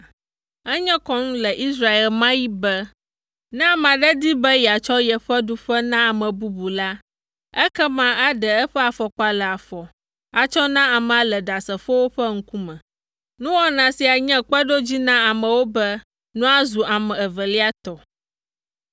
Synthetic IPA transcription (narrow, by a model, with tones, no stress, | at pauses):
ɛ˦ɲɛ̃˦kɔ˦ŋ̩̃˦lɛ˨ʔi˦sɾa˦e˨lmã˦ji˦bɛ˦ | nɛ̃˦a˨m˨ã˨ɖɛ˦d̪i˦bɛ˦jɛ˨a˨t͡ʃɔ˦jɛ˨ɸɛ˦ɖu˦ɸɛ˦nã˦a˨mɛ̃˨bu˦bu˨la˦ | ɛ˦kɛ˦mã˦ʔa˦ɖɛ˨ɛ˦ɸɛ˦a˨fɔ˨k͡pa˨lɛ˨a˨fɔ˨ | a˨t͡ʃɔ˦nã˦a˨mɛ̃˨a˨lɛ˨ɖa˨sɛ˨ɸo˦wo˦ɸɛ˦ŋ̩˦ku˦mɛ̃˨ | nũ˦wɔ˦nã˨si˨a˨ɲɛ̃˦k͡pɛ˦ɖo˦d͡ʑi˦nã˦a˨mɛ̃˨wo˦bɛ˦ | nũ˦a˦zu˨ʔa˨mɛ̃˨ɛ˨və˨li˦a˦t̪ɔ˨